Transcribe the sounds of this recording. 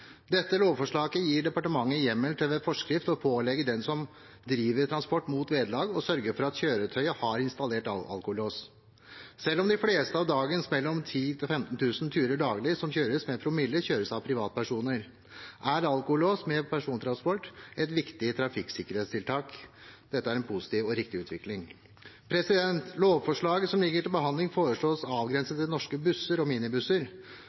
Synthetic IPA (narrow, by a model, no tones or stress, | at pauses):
d̪ɛt̪ːəloːʋfɔʂɭɑːɡəjiːɖɛpɑʈəmɑŋːəjɛmːɛlt̪ʰɛʋɛfɔʂkɾɪft̪ɔpʰoːlɛɡəɖɛnsɔm | d̪ɾiːʋəɾt̪ʰɾɑnspɔʈːmuːt̪ʋeːd̪lɑːɡɔsœɾɡəɾfɔɾɑt̪çøːɾət̪ʰœʏəhɑɾɪnst̪ɑleːʈɑɑ̰lkʊloːs | sɛlːɔmd̪ɪfleːst̪əɑːʋd̪ɑːɡənsmɛlːɔmt̪ʰiːt̪ʰɪfɛmt̪n̩t̪ʰʉːsnt̪ʰyːɾəɖɑːɡlɪsɔmçøːɾəsmɛpʰɾʊmɪlːəçøːɾəsɑʋpʰɾɪʋɑːt̪əpæʂuːnəɾ | ʔæɾɑlkʊhʊloːsmɛpʰæʂuːnət̪ɾɑnspɔʈːɛt̪ʋɪkt̪ɪət̪ʰɾɑfɪksɪkːəɾheːt̪st̪ʰɪlt̪ʰɑːkd̪̥ɛt̪ːəæɾɛnpʰʊsɪ̥t̪iːʋɔɾɪk̚t̪ɪʉːt̪ʋɪklɪŋ | pʰɾɛsɪd̪ɛnt̪loːʋfɔʂɭɑːɡəsɔmlɪɡːəʈɪlbəɦɑnd̪lɪŋfoːɾəʂɭoːsɑːʋɡɾɛnsət̪ɪnɔʂkəbʉsəɾɔmiːnɪbʉsəɾ